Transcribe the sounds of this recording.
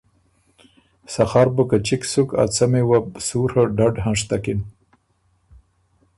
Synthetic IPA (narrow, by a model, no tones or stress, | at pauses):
saxɑɾbəkat͡ʃiksuka̰t͡samewabsuɾhaɖaɖɦãʂt̪akin